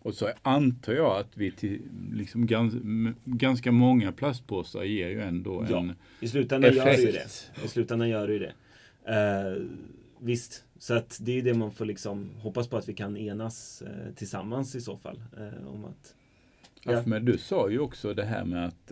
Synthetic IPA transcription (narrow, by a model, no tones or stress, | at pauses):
ɔsɔant̪ʰɑːjɑːat̪vɪt̪ʰɪlɪksɔmɡanɡanskamɔŋːapʰlas̬t̪̚pʰoːsa̰ɾjeːɾjɵɛnd̪oːɛn | ɪs̬lʉ̟ːt̪anɛjœːɖɪd̪ɛ̰ɪslʉ̟ːt̪ananjœːɖɪjɵd̪ɛ̰ | vɪst̪sɔat̪d̪ɛjɵd̪ɛmanfoːɭlɪksɔmɦɔpːaspɔat̪vɪkʰaneːnast̪ʰɪlsa̰mːansɪso̰ːfa̰lːɔ̰ma̰t̪ | fmɛd̪ɵsɑːjɵɔksɔd̪ɛɦæ̰ːɾmɛat̪